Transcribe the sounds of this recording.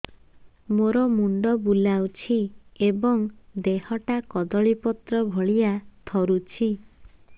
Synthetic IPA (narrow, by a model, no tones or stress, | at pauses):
moɾɔmuɳɖɔbulawt͡ʃʰiebɔŋd̪eɦɔʈakɔd̪ɔɭipɔt̪ɾɔbʱɔɭiat̪ʰɔɾut͡ʃʰi